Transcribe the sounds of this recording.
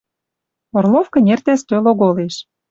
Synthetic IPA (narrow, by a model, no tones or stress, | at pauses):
orlˠofkɤ̆nʲert̪æst̪øloɣoleʃ